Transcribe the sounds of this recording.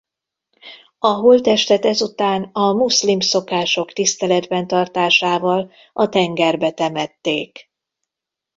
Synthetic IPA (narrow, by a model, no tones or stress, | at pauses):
ɒɦult̪ɛʃt̪ɛt̪ɛzut̪aːnɒmuslimso̞kaːʃo̞kt̪ist̪ɛlɛd̪bɛnt̪ɒrt̪aːʃaːvɒl | ɒt̪ɛŋɡɛrbɛt̪ɛmɛt̪ːeːk